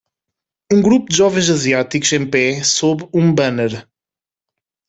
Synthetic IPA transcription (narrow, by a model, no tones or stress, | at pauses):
ũŋɡɾupud̪ɨʒɔvẽj̃zɐziat̪ikuz̥ẽj̃pɛsoβũbɐneɾ